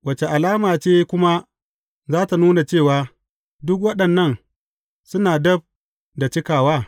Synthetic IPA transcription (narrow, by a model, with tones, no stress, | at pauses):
wɐ˦t͡ʃe˨ʔa˨laː˦maː˨t͡ʃeː˦kʷʊ˦ma˦ | zaː˦ta˨nuː˦na˨t͡ʃeː˦˨waː˨ | dʊ˦k̬̚wɐ˦ɗɐ˨nːɐ˦˨n | sʊ˦naː˨dɐ˦b̚ | da˨t͡ʃɪ˦kaː˨waː˦